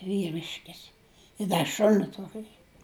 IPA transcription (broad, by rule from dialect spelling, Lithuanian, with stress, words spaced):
ʋʲiːˈrʲɪʃʲkʲɪs ɪ ˈdɐ ˈʃʊnʲɪ ˈtuɔkʲɪ